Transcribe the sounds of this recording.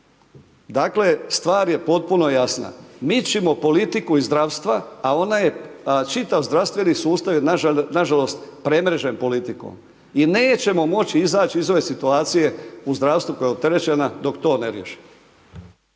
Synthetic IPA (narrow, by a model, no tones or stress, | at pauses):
d̪aːkle̞st̪ʋaːɾje̞po̞t̪̚puno̞jasna̰mit͡ʃimo̞po̞lit̪ikuizd̪ɾaʋst̪ʋaːo̞naje̞t͡ʃit̪aʋzd̪ɾaʋst̪ʋe̞nisuːst̪aʋjenaʒalo̞st̪pɾe̞mɾe̞ʒe̞mpo̞lit̪iko̰ːm | ineːt͡ɕe̞mo̞mo̞t͡ɕiizaːt͡ʃiizo̞ʋe̞sit̪uaːt̪sije̞uzd̪ɾaːʋst̪ʋukojeot̪e̞ɾe̞t͡ɕe̞nad̪o̞kt̪o̞ːneɾjḛʃi̥m